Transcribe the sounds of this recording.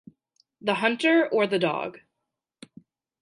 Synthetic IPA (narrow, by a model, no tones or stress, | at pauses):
ðəɦʌ̃ntə˞ə˞ðɨdɔ̰ɡ̥